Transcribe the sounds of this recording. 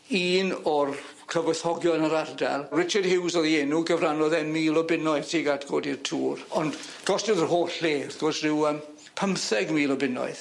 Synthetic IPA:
iːnɔr | kʰəvəθɔɡjɔnəɾarda̰lˠrɪt͡ʃad̥hɪwzɔðiɛnuɡəvranɔðɛnmiːlˠɔbɪnɔɨðtʰiɡatɡ̥oːdirtʰuːrɔnd | ɡ̥ɔstɪðərɦoːɬeːaθɡ̥ɔsrɪwəm | pʰəmθɛɡmiːlˠɔbɪnɔ̰ɨð

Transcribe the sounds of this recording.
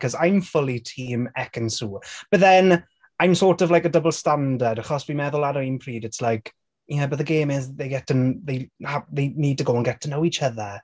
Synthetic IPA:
kʰɔzajmfʊlˠitʰiːmɛkə̃nsuːb̥ətðɛn | ajmsɔːtɔvlajkədəbəlˠstandədaχɔsb̥imɛðʊlˠadəinpʰr̥iːdɪtslajk | ɛbəðəɡeːmɪzðejɡɛtʰənðejhaðeɪniːd̚tʰəɡoʊə̃nɡɛtʰənowit͡ʃəðə

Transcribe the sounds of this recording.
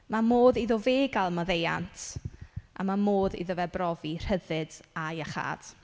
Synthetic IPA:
mamoːðiðɔveːɡalˠmaðeja̰ntʰʔa̰mamoːðḭðɔvɛbrɔvir̥həðɨd̥ajaχa̰ːd̥

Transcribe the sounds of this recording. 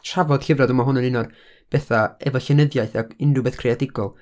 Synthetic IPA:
tʰravɔd̥ɬɪvrɔdəmaɦʊnənɪnɔd | b̥ɛθaɛvɔɬɛnəðjajθaɪndubeːθkʰreadɪɡɔlˠ

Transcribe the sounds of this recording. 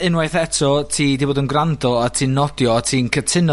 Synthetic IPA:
ɨnwajθɛtʰɔtʰiːdiboːdənɡrandɔatʰiːnɔdjɔatʰiːnkʰətʰɪnɔ

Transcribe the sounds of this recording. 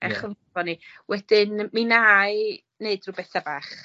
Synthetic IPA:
ɛχəvvɔni | wɛdɪnminaj | neɨdruːbɛθabaːχ

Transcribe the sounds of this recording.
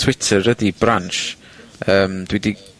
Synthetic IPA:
tʰw̥ɪtʰərədibɾanʃ | əːmd̥widi

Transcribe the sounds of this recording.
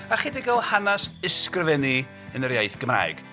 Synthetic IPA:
aχidɪɡɔlˠhanasɪskrɪvɛni | ənəɾjajθɡ̥əmra̰ːɨɡ̥

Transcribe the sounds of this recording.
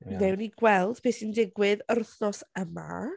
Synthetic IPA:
nɛwniɡwɛlˠd̥pʰeːsindɪɡwɪðərθnɔsəma̰

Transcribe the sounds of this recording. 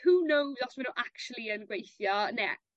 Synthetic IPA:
huːnowzɔsmanuʔakt͡ʃulˠiənɡwejθjɔnɛ̰

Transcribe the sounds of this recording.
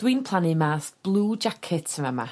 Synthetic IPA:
d̥wiːnpʰl̥ˠanɨmaːθb̥lˠuːd͡ʒakʰɪtʰəmama̰

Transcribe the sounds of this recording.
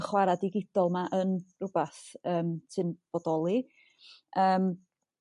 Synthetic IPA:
χwaɾadɪɡɪd̥ɔlˠmaʔənrʊbaθəːmtʰɨnb̥ɔdɔlˠi | ʔəːm

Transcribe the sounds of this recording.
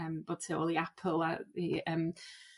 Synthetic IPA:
əmb̥oːd̥̚tʰeo̰lˠiapʰəlˠaiəm

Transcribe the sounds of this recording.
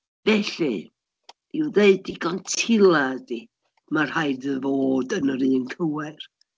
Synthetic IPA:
vɛɬḭ̥ | iwðeɨdiɡɔntʰɪlˠadi | mar̥hajdəvoːdənəɾɨːnkʰəwɛr

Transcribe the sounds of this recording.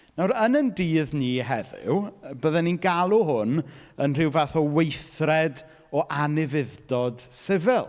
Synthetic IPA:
nawɾənəndiːðniːɦɛðɪ̰wbəːðɛninɡalˠuɦʊnənr̥ɪwvaθɔwejθrɛd | ɔʔanɪvɪðd̥ɔd̥sɪvɪlˠ

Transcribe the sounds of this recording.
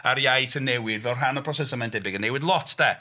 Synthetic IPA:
aɾjajθənːɛwɪdvɛwˠrɦanəpʰɔs̬ɛsəmajndɛbɪɡənːewɪdlˠɔtʰdɛ

